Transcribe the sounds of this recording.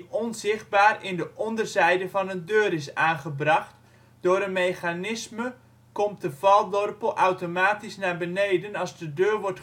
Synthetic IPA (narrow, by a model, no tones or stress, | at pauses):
ʔɔnzɪχt̚baːrɪndəʔɔndərzɛjdəvɑnəndøːɾɪsaːnχəbrɑχt | d̥ʊːɾənmejχanɪsmə | kɔmtdəvɑlˠdɔrpəlˠʔawtomaːtisnaːbənejdənɑlˠzdədøːrʋɔrt